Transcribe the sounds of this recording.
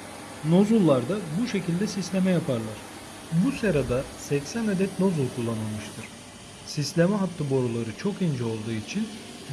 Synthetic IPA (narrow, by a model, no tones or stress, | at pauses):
no̞zulˠːaɾd̪abuʃe̞cʰilʲd̪ɛsislʲe̞mɛjapʰaɾlˠaɾ̥ | buseɾad̪asɛcsænad̪ɛt̪no̞zulˠkʰulˠːanɯlˠmɯʃt̪ʰɯɾ̥ | sislʲemɛɦat̪ʰːɯbo̞ɾulˠaɾɯt͡ʃʰo̞kind͡ʒɛo̞lˠd̪uːit͡ʃʰin